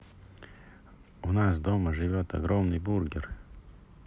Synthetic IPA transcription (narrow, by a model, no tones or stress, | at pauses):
ʊnasd̪oməʐɨvʲot̪ɐ̰ɡɾomnɨjburɡʲɪr